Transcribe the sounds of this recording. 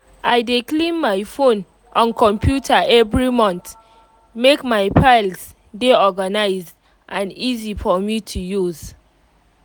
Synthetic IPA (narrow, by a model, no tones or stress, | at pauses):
ʔaɪdeklĩnmaɪfõn | ʔɔ̃nkʰɔ̃mpʰjutʰaʔɛvɹimɔ̃nt | mekmaɪpʰaɪls | deɔɡanaɪz | ʔãnizifɔmitʰujuz̥